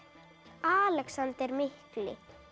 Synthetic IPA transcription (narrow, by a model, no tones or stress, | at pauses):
aːlɛksant̪ɛɾmɪhklɪ̰